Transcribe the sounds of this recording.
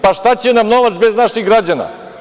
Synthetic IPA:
paʃt̪at͡ɕenamno̞ʋat̪sbeznaʃiɣɡɾad͡ʑana̰

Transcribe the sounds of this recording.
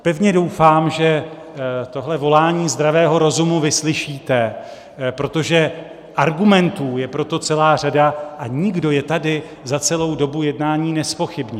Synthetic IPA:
pɛvɲɛdo̞wfaːmʒɛ | t̪o̞ɦlɛvo̞laːɲiːzd̪ɾavɛːɦo̞ɾo̞zumuvɪslɪʃiːt̪ɛ | pɾo̞t̪o̞ʒɛ | ʔaɾɡumɛnt̪uːjɛpɾot̪o̞t͡sɛlaːr̝adaʔaɲɪɡdo̞jɛt̪adɪ | zat͡sɛlo̞wdo̞bujɛdnaːɲiːnɛspo̞xɪbɲɛ

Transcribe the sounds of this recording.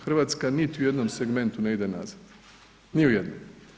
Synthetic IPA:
xr̩ʋaːt̪skanit̪iuje̞d̪no̞mseɡme̞nt̪une̞id̪ena̰zad̪ | niujed̪no̰m

